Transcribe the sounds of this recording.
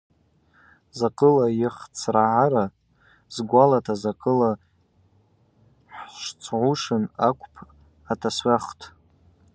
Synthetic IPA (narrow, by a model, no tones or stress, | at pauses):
zaqʼɨlajɪχt͡sʰraʕaɾa | zɡʷalatʰazaqʼɨla | ħʂt͡sʰʕʷuʂɨnakʷʰʼpʰ | atʰasɥʷaχtʰ